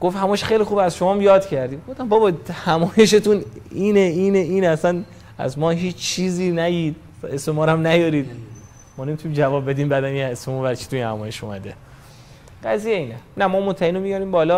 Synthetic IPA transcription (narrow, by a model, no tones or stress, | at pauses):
ɡ̥oft̪hæmɒːjeʃxejlixuːbæzʃo̞mɒːmjɒːd̪cʰæɾd̪iːmɡofd̪æmbɒːbɒhæmɒːje̞ʃ̬et̪uniːneiːneiːnæsæn | æ̰zmɒːɦiːt͡ʃt͡ʃʰiːziːnæjiːd̪̚ | væesemɒːɾæmnæjɒːɾiːd̪ | mɒːne̞mit̪ʰunimd͡ʒævɒːbbe̞d̪iːmbæd̪ænjeesomɔɾbæɾt͡ʃʰi̥t̪ʰujinhæmɒːje̞ʃomæ̰d̪e̞ | ɢ̥æzijeiːnenæmɒːmot̪ʰːæiːnomijɒɾiːmbɒːlɒː